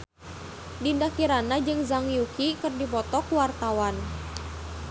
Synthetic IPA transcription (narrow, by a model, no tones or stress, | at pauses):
dindakiɾanad͡ʒɨŋzaŋjukikɨrdipɔt̪ɔkuwart̪awan